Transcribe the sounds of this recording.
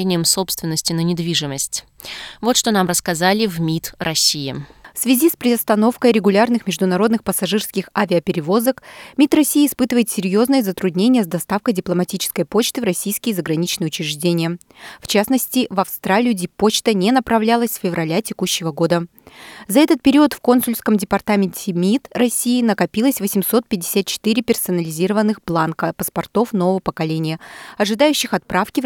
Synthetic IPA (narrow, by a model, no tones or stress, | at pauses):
enʲɪjəmso̞pst̪vʲɪnːəsʲtʲɪnənʲɪd̪vʲiʐɨməsʲtʲ | vo̞t̪ʂt̪o̞namrəskɐzalʲɪvmʲit̪rɐsʲijɪ̰fsvʲɪzʲispɾʲɪɐst̪ɐno̞fkəjɾʲɪɡʊlʲarnɨxmʲɪʐd̪ʊnɐɾo̞d̪nɨxpəsɐʐɨrskʲɪxavʲɪəpʲɪɾʲɪvo̞zəkmʲit̪rɐsʲijəːspɨt̪ɨvəjɪt̪sʲɪɾʲjo̞znɨjəzət̪ɾʊd̪ʲnʲenʲɪjəzd̪ɐst̪afkəjdʲɪplˠəmɐtʲit͡ɕɪ̥skəjpo̞t͡ɕt̪ɨvɾɐsʲijskʲɪjəzəɡɾɐnʲit͡ɕnɨjʊt͡ɕɪɾʲɪʐdʲenʲɪjə | ft͡ɕasnəsʲtʲɪvɐfst̪ɾalʲɪjʊdʲɪpot͡ɕt̪ənʲenəpɾɐvlʲalˠəsʲfʲɪvrɐlʲatʲɪkuɕːɪvəɡo̞d̪əzɐɛt̪ət̪̚pʲɪɾʲiət̪fko̞nsʊlʲskəmdʲɪpɐrt̪amʲɪnʲtʲɪmʲit̪rɐsʲijɪnəkɐpʲilˠəsʲvəsʲɪmso̞t̪̚pʲɪdʲɪ̥sʲat̪̚t͡ɕɪ̥t̪ɨɾʲɪpʲɪrsɐnəlʲɪzʲiɾəvənːɨxblˠankəpəspɐrt̪o̞fno̞vəvəpəkɐlʲenʲɪjəɐʐɨd̪ajʉɕːɪxɐt̪̚pɾafkʲɪ